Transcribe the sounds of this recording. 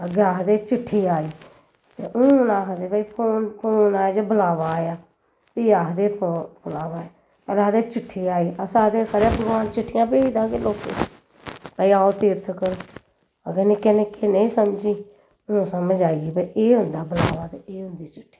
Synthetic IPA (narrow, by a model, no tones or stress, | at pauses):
əɡaːɦd̪eːt͡ʃɪʈʰːiːaːiː | t̪eːʔʊnaːɦd̪eːbəiːpʰoːnpʰoːnaːd͡ʒeːbəlaːʋaːjaː | t̪iːjaːɦd̪eːpːpəlaːʋaːeː | əlaːd̪eːt͡ʃɪʈʰːiːaːiːəsaːd̪eːkʰəɾapəɡʋaːnt͡ʃɪʈʰːɪjãːbeːiːd̪aːkeːloːkḛː | pəiːaːoːt̪ɪːɾt̪ʰkəɾ | əɡeneːkeneːkeːnəĩːsəmd͡ʒiː | ʊ̃səməd͡ʒaːiiːbəiʔeːɦʊ̃nd̪aːbəlaːʋaːt̪eeːɦʊnd̪iːt͡ʃɪʈʰːi̥ː